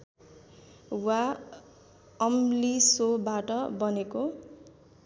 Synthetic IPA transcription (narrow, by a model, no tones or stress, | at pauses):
wa | ʌmlisobaʈʌbʌneko